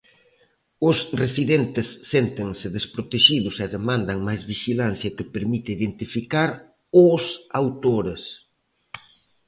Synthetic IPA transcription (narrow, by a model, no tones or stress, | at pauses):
ʊsresiðent̪ɪsːent̪ɪŋsɪðespɾot̪eʃiðʊsɛðemãnd̪ɐŋmajzβiʃilan̟θjɐkɪpeɾmit̪ɪiðent̪ifikaɾ | ʊsawt̪oɾes